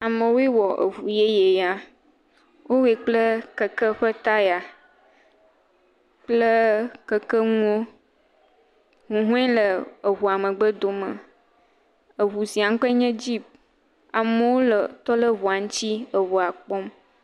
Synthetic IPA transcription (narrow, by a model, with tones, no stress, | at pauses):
a˨mə̃˨wo˦e˦wɔ˨ʔə̰˨ɦu˨je˦je˨ja˨ | wʔo˦we˨k͡plə˦kə˨kə˦ɸə˦t̪a˦ja˨ | k͡plə˦kə˨kə˦ŋũ˦o˦ | ŋũ˨ɦũ˦ɛ̃˦lə˨ə˨ɦu˨a˨mə̃˨ɡ͡bə˦d̪o˨mə˨ | ə˨βu˨si˨a˨ŋ˦kɔ˦e˦ɲɛ̃˦d͡ʑi˦p̚ | a˨mə˨wo˦lə˨t̪ɔ˦lə˦βu˨a˨ŋ̃˦t͡ɕi˦ə˨βu˨a˨k͡pɔ˦m